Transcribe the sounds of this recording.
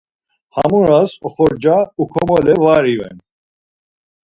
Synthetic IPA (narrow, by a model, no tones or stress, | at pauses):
ha̰muɾasɔχɔɾd͡ʒaukʰɔmɔlɛvaɾivɛ̰n